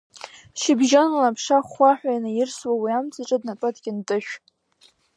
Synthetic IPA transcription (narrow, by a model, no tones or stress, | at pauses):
ʃɪbʒonlapʰʂaχʷaħʷᶣajnajɪrswawiamt͡sʰʼaʈ͡ʂʼadnatʼatɡʲɪntʼɨʃᶣ